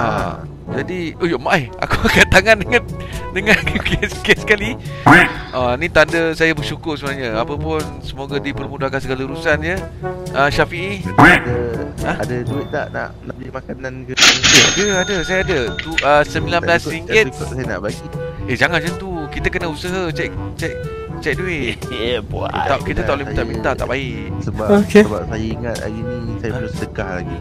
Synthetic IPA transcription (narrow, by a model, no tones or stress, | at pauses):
a̰ | d͡ʒadiojɔʔmaʔaja̰kuakant̪aŋandəŋandəŋakkɛskɛsə̥kali | ʔanĩt̪andəsajabərʃukʊrsəbənaɲəapəpʊnsəmoɡadipərmudahkansəɡaləɾusand͡ʒəʔəʃafiʔidəãadəduɪt̪̚la̰ʔna̰ʔnaʔbəlimakanankəəadəadəsajaadətuəsəmbilanməlasɾiŋɡɪtkʔsajəna̰ʔbaɡied͡ʒaŋand͡ʒant̪ukit̪əkənəusəɦət͡ʃɛk̚t͡ʃɛʔ̚ | t͡ʃɛk̚duɪʔəbṵa̰akit̪ət̪aʔleit̪aʔmint̪at̪a̰ʔbaɪʔsəbaokəba̰p̚sajəiŋat̪̚a̰ɣinisajəəlusədəkahla̰ɡi